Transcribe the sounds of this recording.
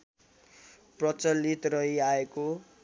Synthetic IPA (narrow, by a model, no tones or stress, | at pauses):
prʌt͡sʌlːit̪rʌɦiaeko